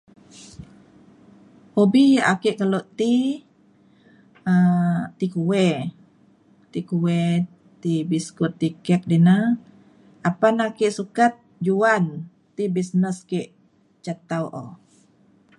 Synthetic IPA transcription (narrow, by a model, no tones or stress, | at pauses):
hobijaʔakeʔkaloʔt̪i | ət̪ikuwɛ | t̪ikuwɛ | t̪ibiskut̪ːikɛk̚dina | ʔapanakeʔsukat̪̚d͡ʒuan | t̪ibisnəskeʔ | t͡ʃat̪awʔo